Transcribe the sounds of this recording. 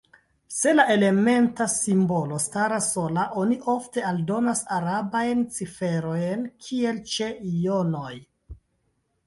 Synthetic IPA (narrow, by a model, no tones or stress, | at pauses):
se̞laʔe̞le̞me̞ntasimbo̞lo̞staɾaso̞laʔo̞niʔo̞fte̞aldo̞nasaɾabajnt͡sife̞ɾo̞jnkʰie̞lt͡ʃe̞ijo̞no̞j